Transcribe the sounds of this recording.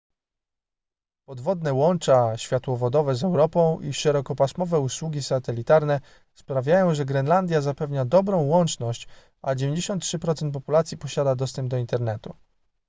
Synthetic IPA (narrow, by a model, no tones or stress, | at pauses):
pɔd̪vɔd̪nɛwɔnt͡ʂaɕfʲjat̪wɔvɔd̪ɔvɛzɛwɾɔpɔ̃w̃ʔiʂɛɾɔkɔpasmɔvɛuswuɡʲisat̪ɛlʲit̪aɾnɛ | spɾavʲjajɔ̃w̃ʐɛɡɾɛnland̪ʲjazapɛvɲad̪ɔbɾɔ̃w̃wɔnt͡ʂnɔɕt͡ɕ | ad͡ʑevʲeɲd͡ʑeɕɔnt̪tːʂɘpɾɔt̪sɛnt̪pɔpulat̪sʲjipɔɕad̪ad̪ɔst̪ɛmb̚d̪ɔint̪ɛɾnɛt̪u